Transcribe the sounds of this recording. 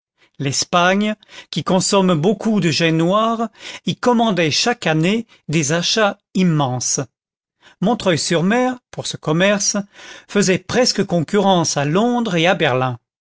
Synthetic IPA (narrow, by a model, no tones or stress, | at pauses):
lɛspaɲkʲikɔ̃sɔmbokʰud̪əʒɛnwaːʁikɔmɑ̃d̪ɛʃakane | d̪ezaʃa | imːɑ̃s | mɔ̃t̪χœjsyʁmɛʁpuʁsəkɔmɛʁsfəzɛpχɛskəkɔ̃kʲyʁɑ̃salɔ̃d̪ʁeabɛʁlɛ̃